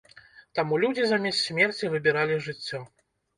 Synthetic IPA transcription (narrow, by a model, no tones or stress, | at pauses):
t̪amulʲud͡zʲizamʲɛssʲmʲɛrt͡sʲivɨbʲiɾalʲiʐɨt͡sʲːɔ